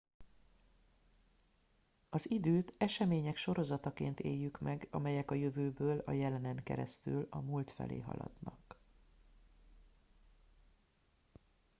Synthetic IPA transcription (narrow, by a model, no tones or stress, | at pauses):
ɒzid̪øːt̪ɛʃɛmeːɲɛkʃo̞ɾo̞zɒt̪ɒkḛːnt̪ḛːjːykmɛɡɒmɛjɛkɒjø̞vøːbøːlɒjɛlɛnɛŋkɛ̰ɾɛst̪ylɒmult̪fɛ̰lḛːɦɒ̰lɒ̰d̪nɒ̰k